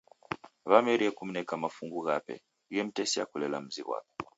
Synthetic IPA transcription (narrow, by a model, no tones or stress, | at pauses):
βamɛɾiɛkum̩nɛkamafuŋɡuɣapɛ̰ | ɣɛm̩tɛsia̰kulɛla̰m̩ziɣwa̰pɛ̥